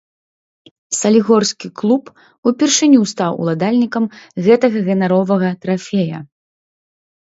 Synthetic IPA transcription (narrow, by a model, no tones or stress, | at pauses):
sɐlʲiɣɔrskʲiklˠup | upʲirʂɨnʲust̪awṵlˠad̪alʲnʲikɐmɣɛt̪ɐɣɐɣɛnaɾɔvɐɣɐt̪ɾafʲɛjɐ̰